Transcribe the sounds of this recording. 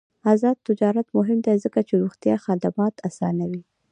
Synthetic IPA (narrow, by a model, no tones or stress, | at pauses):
azɑd̪̚t̪ɪd͡ʒɑɾat̪mʊɦɪmd̪ezəkat͡ʃeɾuxt̪jɑxad̪amɑt̪ʰasɑ̰nawi